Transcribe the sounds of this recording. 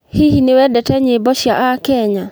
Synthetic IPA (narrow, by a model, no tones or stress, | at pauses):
hihinewɛdɛtɛɲebɔʃjaʔakɛɲa